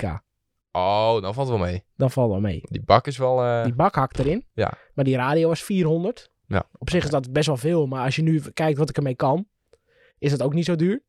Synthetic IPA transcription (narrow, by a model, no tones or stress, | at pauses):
ka̰ | owdɔnfɑlˠtəʋɔlˠmejd̥ɔnfɑlˠtʋɔlˠmḛːdibakɪsʋɔlˠdibakhak̚dəɾɪnja̰ | madiraːdijowʋasfiːrɦondərt | a̰ɔpsɪxɪsdɔtbɛs̬ʋɔlˠfɪːlˠmaɔsjənykɛjk̚tʋɔtɪkərmejkɔn | ɪsdɔtowknitsoːdyːɹ